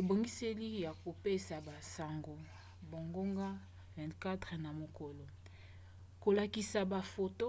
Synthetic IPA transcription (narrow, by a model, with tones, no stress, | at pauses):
e˨bo˨ŋɡi˦se˦li˦ja˨ko˨pe˦sa˨ba˨sa˨ŋɡo˨ | bo˨ŋɡo˦ŋɡa˦ | vɛ̃˨ntka˦tʁna˨mo˨ko˨lo˨ | ko˨la˨ki˨sa˨ba˨fo˨to˦